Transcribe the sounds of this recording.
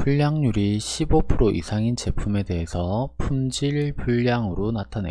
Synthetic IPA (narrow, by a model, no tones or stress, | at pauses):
puʎːaŋɲuɾiɕʰibopʰɯɾoʔḭsʰaŋint͡ɕe̞pʰume̞de̞ɦesʰʌpʰumd͡ʑiɭpuʎːaŋɯɾonatʰanḛ